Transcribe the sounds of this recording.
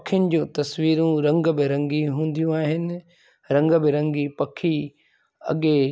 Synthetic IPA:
kʰjʊnɪ̆d͡ʑũːt̪ɐsʋiːɾũɾɐ̃ŋɡbɪɾɐ̃ŋɡiɦũːn̆d̪ijũaːɦɪnɪ̆ | ɾɐ̃ŋɡbɪɾɐ̃ŋɡipɐkʰi | ɐ̰ɠe

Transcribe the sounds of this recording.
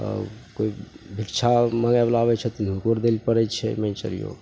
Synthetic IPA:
ə̰koi | bʱikt͡ʃʰaməɡablabɛt͡ʃʰɛt̪inʱũkoɾd̪elipəɾɛt͡ʃʰɛ̰mẽnt͡ʃə̰ɾḭjo̰ɡ

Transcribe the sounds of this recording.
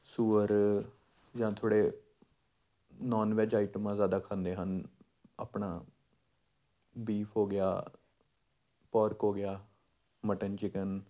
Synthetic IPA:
suːəɾ | d͡ʒãːt̪ʰoːɽeː | nɔːnʋɛːd͡ʒaːiʈəmãːzjaːd̪aːkʰãːnd̪eːɦən | a̰ːpɳaː | biːpʰɦoːɡɪa̰ː | pɔːɾkɦoːɡɪjaː | məʈənt͡ʃɪkən

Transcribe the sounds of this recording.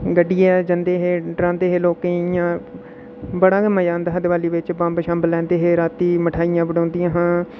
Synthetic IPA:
ɡəɖːijɛːd͡ʒənd̪eːɦeːɖɾãːnd̪eːɦeːloːkejãː | bəɽãːɡəməjãːnd̪ɦəd̪ʋaːliːʋɪt͡ʃbãːmbʃãːmbəlɛ̃ːnd̪eːɦeːɾaːt̪iːməʈʰaːijãːbəɽõːnd̪ɪjãːɦãː

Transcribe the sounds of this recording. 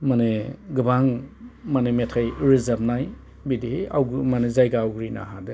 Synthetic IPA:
maneɡɯbaŋmanemetʰajɾizamnaj | bidihea̰wɡmanezajɡaawɡɾina̰ɦade

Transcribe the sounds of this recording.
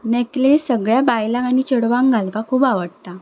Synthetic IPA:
neklessəɡɭjabajlãañit͡ɕəɽʋãŋɡalʋakʰuːbaʋəɽt̪a

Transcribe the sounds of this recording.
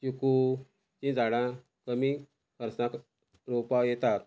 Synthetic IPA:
t͡ɕuku | t͡ɕĩd͡zaɽã | kəmi | kʰəɾsnak | ɾopajɛt̪aɾ

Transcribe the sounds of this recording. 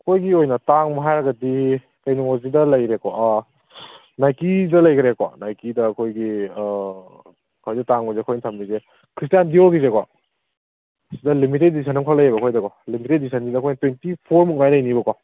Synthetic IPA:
kʰojɡiojnɐtaŋmɐɦajɾɐɡɐdi | kɐjnuŋozidɐlɐjɾekɔ | najkidɐlɐjkʰɾekɔ̰najkidɐkʰojɡi | kʰojdɐtaŋbɐzekʰojnitʰɐmbize | kʰɾistijandioɾɡizekɔ̰ | sidɐlimited̚ːisʰanɐmkʰalɐjebɐkʰojdɐkɔlimited̚disʰɐnzidɐkʰojntwentipʰoɾmuk̚najlɐjnibɐkɔ

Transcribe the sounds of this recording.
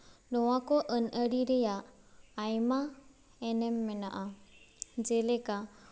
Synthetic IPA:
dɔwakɔʔənəɾiɾɛjaʔː | jma | ɛnɛmːɛnaʔa | d͡ʒɛlɛka

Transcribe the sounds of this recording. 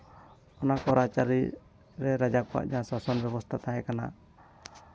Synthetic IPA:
ɔnakɔɾat͡ʃaɾḭ | ɾɛɾad͡ʒakɔa̰ʔd͡ʒaãsasɔnbjɛbɔst̪ʰat̪aɦɛ̃kana̰

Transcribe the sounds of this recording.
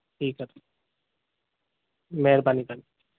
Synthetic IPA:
ʈʰiːkːəɾ | meɾbanibani

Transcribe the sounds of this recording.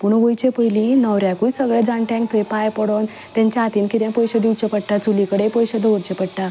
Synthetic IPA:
puɳʋojt͡ɕepəjlĩnəwɾjakujsəɡɭjad͡zãɳʈ̪ɛ̃ŋkt̪ʰjpajpəɽon | t̪jãɲt͡ɕaːt̪iːnkiɾjãpɔjɕəd̪iʋt͡ɕepəɽʈat͡sulikəɽepɔjɕəd̪əʋəɾt͡ɕepəɽʈa

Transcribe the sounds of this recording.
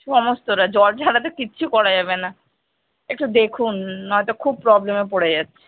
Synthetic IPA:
ʃɔmost̪oɾad͡ʑɔld͡ʑʱaɽat̪̬ekiːɕʰukɔɾad͡ʑabena | ek̚ʈud̪ekʰunɦɔet̪okʰub̚pɾɔblemepoɽed͡ʑatːɕʰe̥

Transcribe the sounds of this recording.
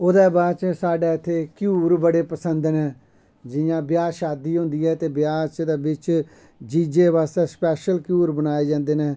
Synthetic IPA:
ʊd̪ɛːbaːt͡ʃsaːɖɛːɪt̪ʰːeːkjuːɾbəɽeːpəsənd̪nɛː | d͡ʒɪjãːbjaːʃaːd̪iːɦʊ̃nd̪iːɦɛːt̪eːbjaːt͡ʃd̪eːbɪt͡ʃ | d͡ʒiːd͡ʒeːʋaːst̪ɛːspɛːʃəlkjuːɾbənaːeːd͡ʒãːnd̪eːnɛː

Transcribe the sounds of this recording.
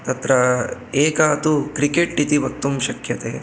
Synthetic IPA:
t̪ɐt̪ɾɐeːkɐːt̪ukɾikeʈɖit̪iʋɐk̚t̪umʃɐkʰjɐt̪eː

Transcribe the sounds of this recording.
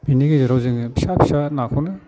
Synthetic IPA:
biniɡizɯɾawzɯŋpʰi̥sapʰi̥sanakʰɔnɯ

